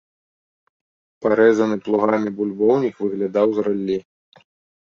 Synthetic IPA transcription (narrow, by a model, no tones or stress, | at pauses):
paɾɛzɐnɨplˠuɣamʲibulʲbɔwnʲikvɨɣlʲad̪awzɾalʲːi